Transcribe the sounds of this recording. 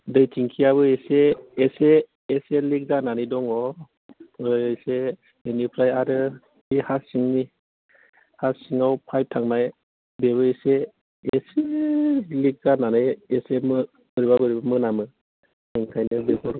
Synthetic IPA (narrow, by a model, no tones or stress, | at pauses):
dɯjtʰiŋkʰiaβɯeseːseː | selik̚zananɯdɔŋɔ | ɯjese | enipʰɾajaɾɯ | ihasiŋni | hasiŋawpʰajp̚tʰaŋnaj | bebɯese | ese | lik̚zananɯjesemɯ | bɯɾibabɯɾibamɯnamɯ | eŋkʰajnɯbebɔɾɔ